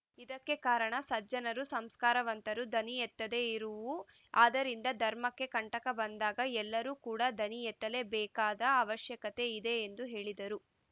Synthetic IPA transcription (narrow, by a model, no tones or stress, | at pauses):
id̪ɐkːe̞kaːɾɐɳɐsɐd͡ʒɐnɐɾusɐmskaːɾɐʋɐnt̪ɐɾud̪ʱɐnijɛt̪ːɐd̪e̞iɾuʋu | aːd̪ɐɾind̪ɐd̪ʱɐɾmɐkːe̞kɐɳʈɐkɐbɐnd̪aːɡɐɛlːɐɾuːkuːɽad̪ʱɐnijɛt̪ːɐle̞bɛːkaːd̪ɐːʋɐʃjɐkɐt̪e̞id̪e̞ːnd̪uɦe̞ːɭid̪ɐɾu